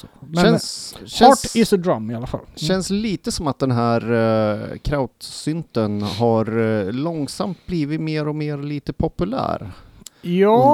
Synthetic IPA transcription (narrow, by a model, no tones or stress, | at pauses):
ɛnʃɛɑʈɪsəd̪ɾamːɪalafa̰lːɛnsliːt̪əsɔmat̪̚d̪ɛnɦæːɾ | kʰɾaʊt̪sʏnt̪ənɦaɾlɔŋsamt̪̚bliːvɪt̪meːɾɔmeːɾliːt̪əpʰɔpɵlæ̰ːɾjɑː